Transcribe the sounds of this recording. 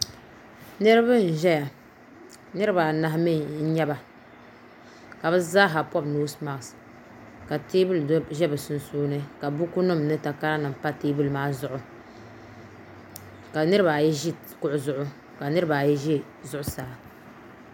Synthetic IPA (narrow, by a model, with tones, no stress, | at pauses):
nɨ˦ɾɨ˦bɨ˦n̩˨ʒɛ˦ja˨ | nɨ˦ɾɨ˦ba˨na˨ɦmi˦n̩˦ɲɛ˦ba˨ | ka˨bɨ˦zaː˦ɦa˨pɔ˦bnuː˦sma˨sɨ̥˨ | ka˨teː˦bɨ˦lʒɛ˦bɨ˨sʊ˨nsuː˦nɨ˦ka˨bu˦ku˦nʊ˦m˨nɨ˦ta˨ka˦ɾa˦nɨ˨m˨pa˦teː˦bu˦lmaː˦zʊ˦˨ʔʊ˨ | ka˨nɨ˦ɾɨ˦ba˨jɛ˦ʒi˦ | kʊ˦ʔʊ˦˨zʊ˦ʔʊ˦ | ka˨nɨ˦ɾɨ˦ba˨jɛ˦ʒɛ˦ | zʊ˦ʔʊ˦saː˨˦